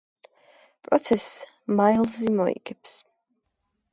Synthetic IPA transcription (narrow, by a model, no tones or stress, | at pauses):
pʼɾɔt̪sʰɛsː | majlˠzimɔḭɡ̥ɛpʰs